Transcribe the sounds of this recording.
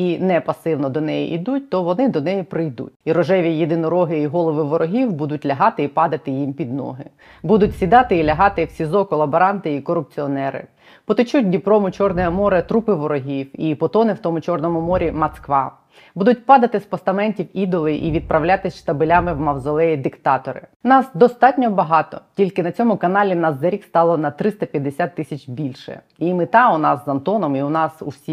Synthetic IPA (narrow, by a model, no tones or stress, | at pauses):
inɛpɐsɪwnɔd̪ɔnɛjḭʔid̪ut̚ʲt̪ɔʋɔnɪd̪ɔnɛjipɾɪjd̪ṵt̚ʲiɾɔʒɛʋʲijed̪ɪnɔɾɔɦɪiɦɔlˠɔʋɪʋɔɾɔɦʲiwbud̪ʊtʲlʲɐɦɑt̪ɪipɑd̪ɐt̪ɪjimpʲid̪nɔ̰ɦɪ | bud̪ʊtʲsʲid̪ɑt̪ɪilʲɐɦɑt̪ɪwsʲizɔkɔlˠɐbɐɾɑnt̪ɪikɔɾʊp̚t͡sʲiɔnɛɾɪ̰ | pɔt̪ɪt͡ʃutʲnʲipɾɔmʊt͡ʃɔrnɛjɛmɔɾɐt̪ɾupɪʋɔɾɔɦʲiwipɔt̪ɔnɪwt̪ɔmʊt͡ʃɔrnɔmʊmɔɾʲimɐt̪skʋɑ | bud̪ʊt̚ʲpɑd̪ɐt̪ɪspɔst̪ɐmɛnʲtʲiwid̪ɔlˠɪʔḭʋʲid̪̚pɾɐwlʲat̪ɪsʲʃt̪ɐbɪlʲamɪwmɐwzɔlˠɛjid̪ɪkt̪ɑt̪ɔɾɪ̰nɑsd̪ɔst̪ɑtʲnʲɔbɐɦɑt̪ɔ̰tʲilʲkɪnɐt͡sʲɔmʊkɐnɑlʲinɑszɐɾʲikst̪ɑlˠɔnɐt̪ɾɪst̪ɐpʲjɐd̪ːesʲat̪ːɪsʲɐt͡ʃʲbʲilʲʃɛ̰ | imɪt̪ɑʊnɑsːɐnt̪ɔnɔmiʊnɑsṵsʲi